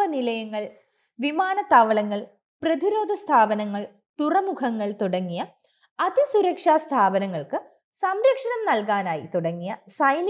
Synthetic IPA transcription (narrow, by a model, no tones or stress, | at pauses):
ɐnilɐjɐŋːɐɭ | ʋimaːnɐt̪aːʋɐɭɐŋːɐɭ | prɐðiɾoːd̪ʱɐst̪ʰaːbɐnɐŋːɐɭ | t̪urɐmukʰɐŋːɐɭt̪uɽɐŋːijɐ | ɐðisuɾɐkʂaːst̪ʰaːbɐnɐŋːɐɭkɨ | sɐmɾɐkʂɐnɐmnɐlkaːnaːjit̪uɽɐŋːijɐsɐjn